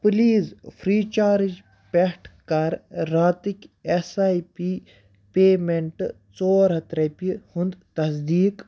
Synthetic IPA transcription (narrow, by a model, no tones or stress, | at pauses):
pliːzfʰɾiːt͡ʃaːɾid͡ʒ | pehʈʰkɐɾːaːt̪ikʲesaːjpiː | peːmeɳʈ | t͡soːɾɦɐt̪ɾɐpihund̪t̪ɐsd̪iːk